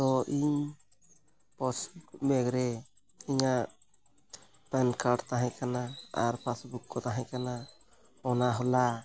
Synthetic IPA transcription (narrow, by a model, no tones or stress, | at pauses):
t̪ɔʔiɲ | pɔsbukmɛɡɾɛ | iɲaʔ | pɛnkʰaɾɖt̪aɦãkanaa̰ɾpasbukːɔt̪aɦãkana | ɔnaɦɔla